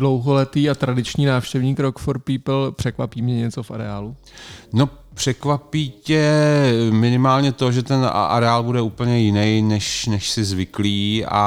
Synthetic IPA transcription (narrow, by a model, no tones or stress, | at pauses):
dlowɦolɛt̪iːat̪ɾadɪt͡ʃɲiːnaːfʃcɛvɲiːkɾokfoɾpiːpl̩pr̥ɛkvapiːmɲɛɲɛt͡sofʔa̰ɾɛaːlu | no̞ | pr̝̥ɛkvapiːcɛ | mɪnɪmaːlɲɛt̪o̞ʒɛt̪ɛnʔa̰ɾɛaːlbudɛuːpl̩ɲɛjɪnɛjnɛʃnɛʃsɪzvɪkliːa̰